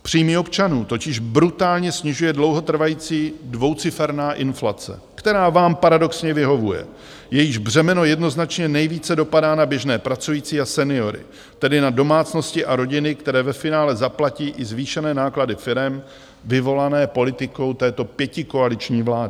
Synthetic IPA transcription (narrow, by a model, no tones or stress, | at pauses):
pr̥iːmio̞pt͡ʃanuːt̪o̞cɪʒbɾut̪aːlɲɛsɲɪʒujɛdlo̞wɦo̞t̪r̩vajiːt͡siːdvo̞wt͡sɪfɛɾnaːʔɪnflat͡sɛ̰kt̪ɛɾaːvaːmpaɾado̞ksɲɛvɪɦo̞vujɛ̰ | jɛjɪʒbr̝ɛmɛno̞jɛdno̞znat͡ʃɲɛnɛjviːt͡sɛdo̞padaːnabjɛʒnɛːpɾat͡sujiːt͡siːasɛnɪo̞ɾɪ̰ | t̪ɛdɪnado̞maːt͡sno̞scɪʔaɾo̞ɟɪnɪkt̪ɛɾɛːvɛfɪnaːlɛzaplaciːʔɪzviːʃɛnɛːnaːkladɪfɪɾɛm | vɪvo̞lanɛːpo̞lɪt̪ɪko̞wt̪ɛːt̪o̞pjɛcɪko̞alɪt͡ʃɲiːvlaːdɪ